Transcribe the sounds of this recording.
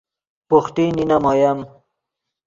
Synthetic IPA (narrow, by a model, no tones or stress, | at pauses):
puxt̪ininamojɐm